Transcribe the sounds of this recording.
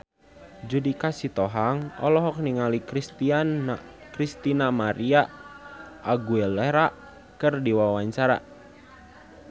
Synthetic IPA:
d͡ʒudikasit̪ɔɦaŋɔ̰lɔɦɔk̚niŋalikɾist̪iankɾist̪inamaɾia | ʔaɡuɛleɾaʔ | kɨrdiwawaɲt͡ʃaɾa̰

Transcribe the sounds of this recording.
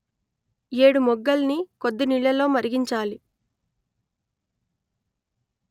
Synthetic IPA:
eːɽumɔɡːɐlnikod̪ːɐniɭjɐlo̞ːmɐɾiɡiɲt͡ʃaːli

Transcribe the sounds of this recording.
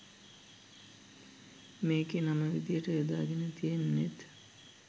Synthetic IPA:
meːkenaməʋid̪ijəʈəed̪aːɡenət̪ijenːet̪

